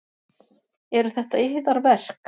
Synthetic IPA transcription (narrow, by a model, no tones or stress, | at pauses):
ɛɾʏθɛht̪aɪɦðaɾvɛr̥k